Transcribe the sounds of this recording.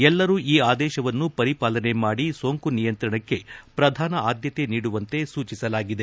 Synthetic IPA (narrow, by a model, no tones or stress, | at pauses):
ɛlːɐɾuːʔiːaːd̪ɛːʃɐʋɐnːupɐɾipaːlɐne̞maːɽiso̞ːŋkunijɐnt̪ɾɐɳɐkːe̞pɾɐd̪ʱaːnɐaːd̪jɐt̪e̞niːɽuʋɐnt̪e̞suːt͡ʃisɐlaːɡid̪e̞